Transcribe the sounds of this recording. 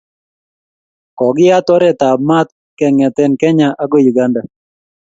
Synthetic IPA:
kɔ˨ɡɪ˦a˦t̪ɔ˦ɾɛ˦˨t̪a˨bma˦t̪̚ | kɛ˨ŋɛ˨t̪ɛ˦nkɛ˦ɲa˦ʔa˦ɡo˦˨ju˨ɡa˦nda˨

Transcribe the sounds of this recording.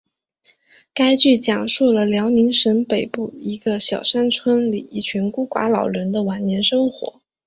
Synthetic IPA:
ka˥ɪt͡ɕy˥˩t͡ɕjɑ˨˩ŋʂu˥˩lə˩ljɑ˧˥ʊni˧˥ŋʂə˧˥npe˨˩ɪpu˥˩i˧˥ɡə˧ɕjɑ˨˩ʊʂa˥nt͡sʰwə˥nlḭ˨˩i˥˩t͡ɕʰy˧˥nku˥kwa̰˧˥lɑ̰˨˩ʊɻə˧˥nd̪ə˧wa˧˥nnjɛ˧˥nʂɤ˥ŋxwɔ̰˧˥

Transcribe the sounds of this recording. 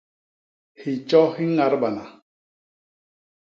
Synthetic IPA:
hi˨t͡ʃɔ˦hi˦ŋa˨˦ɾba˨na˨

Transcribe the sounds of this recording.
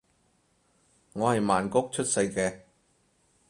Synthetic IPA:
ŋɔː˨˧hɐ˨jmaː˨˩nkʊ˥k̚t͡ʃʰɵ˥t̚sɐ˧jkɛː˧

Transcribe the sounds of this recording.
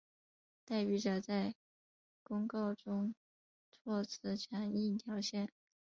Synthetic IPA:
t̪a˥ɪpy˥˩ʈ͡ʂa˥˧˩t͡sa˥˩ɪ | kʊ˥ŋkɑ˥˩ʊʈ͡ʂʊ˥ŋ | t͡sʰwɔ˥˩t͡sʰɹ̩˥˩t͡ɕʰjɑ˧˥ŋi˥˩t̪ʰjɑ˧˥ʊɕjɛ˥˩n

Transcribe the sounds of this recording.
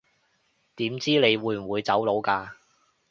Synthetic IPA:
t̪iː˨˥mt͡siː˥ne˨˧jwuː˨˧˥jm̩˨˩wuː˨˧jt͡sɐ˨˥wlo˨˧wkaː˧

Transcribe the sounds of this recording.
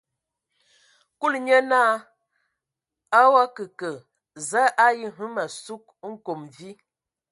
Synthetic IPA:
ku˦lɲə˦naː˦ | a˦wa˦kə˨kə˨ | za˦ʔa˦ji˦ɦu˦ma˨su˦k̚ŋ̩˦ko˨mvi˦

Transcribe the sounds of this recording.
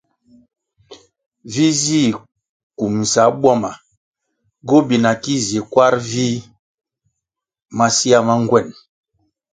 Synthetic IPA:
vi˦zi˦˨ | ku˨mn̩˨sa˨˦bwa˦ma˨ | ɡo˦bi˨na˨ki˦ze˨kwa˦ɾvi˦ | ma˦si˦a˦ma˦ŋ˦ɡwɛ˦˨n

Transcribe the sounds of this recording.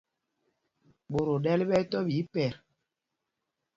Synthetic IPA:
ɓo˨ɾo˨dɛ˦li˦ɓɛ˦tɔ˦bi˨˦pɛ˨ɾ

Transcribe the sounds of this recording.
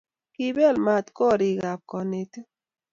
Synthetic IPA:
ki˦bɛ˦˨lma˨t̪kɔ˦˨ɾi˨ɡa˨p̚kɔ˨ne˨t̪

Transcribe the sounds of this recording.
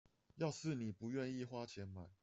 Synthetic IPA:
jɑ˥˧ʊsɹ̩˥˨ni˨˩pu˨˦ɥɛ˥˧ni˥˨xwa˥t͡ɕʰjɛ˨˥nma˨˩˦

